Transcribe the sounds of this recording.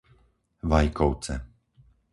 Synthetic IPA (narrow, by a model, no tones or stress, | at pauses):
ʋajkɔʊt͡sɛ̰